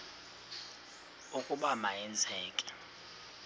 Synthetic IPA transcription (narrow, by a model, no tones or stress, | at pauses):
ukʼuɓamaɛnd͡zʰʱɛːkʼɛ̥